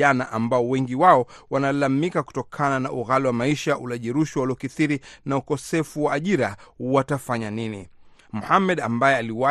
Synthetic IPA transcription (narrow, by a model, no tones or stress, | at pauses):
anaʔambaɔwɛŋɡiwaɔwanalamikaku̥tɔkʰananaʔuɣaliwamaiʃaʔulaʄiɾuʃiwaliɔkiθiɾinaukɔsɛfuwaːʄiɾawatafaɲanini | muhamːɛɗambajɛaliwa